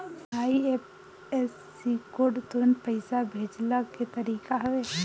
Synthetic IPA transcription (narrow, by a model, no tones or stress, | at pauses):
aːiep | ɛs | ikoːɾɖt̪ɔɾənpəɪsabʱeːd͡ʒlaket̪ɐɾiːkaɦɐʋeː